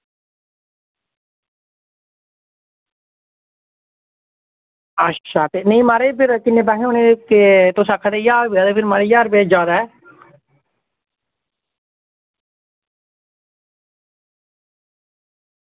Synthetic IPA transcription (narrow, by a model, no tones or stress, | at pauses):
əʃʰaːt̪enẽĩmaːɾepʰɪɾkɪnːẽːbaːɦeõːneket̪oːsakʰad̪ejaːɾbead̪epʰɪɾmaːɾejaːɾbed͡ʒaːd̪aɛ